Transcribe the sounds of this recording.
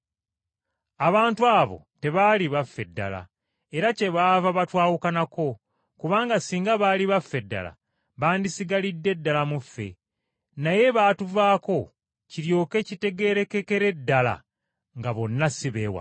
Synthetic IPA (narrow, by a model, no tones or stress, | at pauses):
aβaːntuaːβo̰te̞βaːliβafːe̞dːa̰la̰ | e̞ɾace̞βaːvaβatwaːwukanako̞ | kuβaːŋɡasiːŋɡaβaːliβafːe̞dːa̰la̰ | βaːndisiɡalidːe̞dːalamufːe̞̰ | naje̞βaːtuvaːko̞ | ciɾjo̞ːke̞cite̞ɡe̞ːɾe̞ke̞ke̞ɾe̞dːala̰ | ŋɡaβo̞nːasiβewa̰